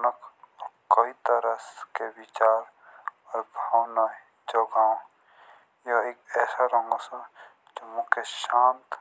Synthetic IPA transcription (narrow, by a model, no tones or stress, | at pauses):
nəkɔkɐit̪əɾəskeʋit͡ʃaːɾ | ɔːɾbʱaːwna | d͡ʒoɡãː | joeːkɛːsaɾɐŋɡosɐ | d͡ʒomʊ̃keʃãːnt̪